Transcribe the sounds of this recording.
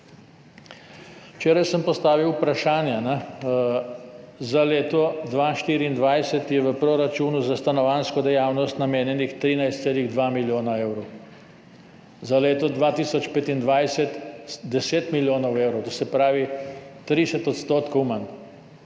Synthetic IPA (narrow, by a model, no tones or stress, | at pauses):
t͡ʃeːɾajsəmpɔst̪aːʋiwpɾaʃaːnjanɛ | zaleːt̪ɔd̪ʋaʃt̪iːɾiːnd̪ʋajsɛt̪jɛʋəpɾoɾat͡ʃuːnuzast̪anɔʋaːnskɔd̪ɛjaːwnɔst̪nameːnjɛnixt̪ɾiːnajst̪seːliɣd̪ʋamiljoːnaeːwɾɔ | zaleːt̪ɔd̪ʋat̪iːsɔt͡ʃpeːt̪ind̪ʋajsɛt̪d̪ɛseːt̪miljoːnɔweːwɾɔwt̪osɛpɾaːʋit̪ɾisɛt̪ɔt̪st̪oːt̪kɔwmən